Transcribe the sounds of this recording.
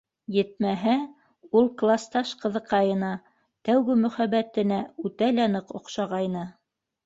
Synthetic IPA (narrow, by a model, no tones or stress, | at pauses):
jɘ̆t̪̚mæɦæ | ulˠklˠɑst̪ɑʃqɤ̆ðɤ̆qːɑjɤ̆nɑ | t̪æwɡɘmɵ̆χæβæt̪ɘ̆næʉt̪ælænɤqŏqʃɑʁɑjnɤ